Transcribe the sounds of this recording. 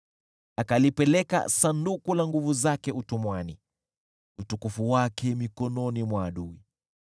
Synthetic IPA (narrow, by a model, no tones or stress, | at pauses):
akalipɛlɛka̰sandukulaŋɡuvuzakɛutumwani | utukufuwakɛmikɔnɔnimwaːɗuḭ